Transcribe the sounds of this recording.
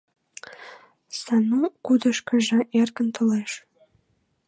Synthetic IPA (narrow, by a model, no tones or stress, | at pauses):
sɑnukud̪əʃkə̆ʒə̆ʔerkənt̪ə̆leʃ